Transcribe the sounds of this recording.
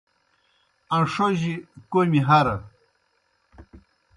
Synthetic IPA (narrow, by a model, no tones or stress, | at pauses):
ɐnʂoʑikomiɦaɾɐ